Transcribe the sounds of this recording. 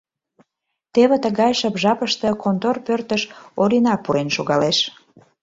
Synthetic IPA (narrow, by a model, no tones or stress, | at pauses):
t̪eβet̪əɣɑjʃəpʒɑpəʃt̪ə̆kont̪orpørt̪əʃoɾʲinɑpːuɾenʃoɣɑleʃ